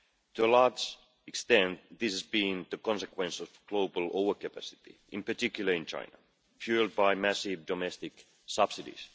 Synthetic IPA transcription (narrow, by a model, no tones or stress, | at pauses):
tʰuəlɑːd͡ʒ | ɪkst̪ɛ̃nt̪̚ðɪshæzbĩŋðəkɔ̃nsəkwɛ̃nsɔv̥ɡ̥loʊbəlˠoʊvə˞kəpʰæsɪ̥t̪ḭʔɪ̃npə˞tɪkjulˠə˞ɪ̃nt͡ʃʰã̰ɪ̃nə̰ | fjulˠd̚baɪmæsivdɔmɛst̪ɪk | sʌb̥sɪdḭs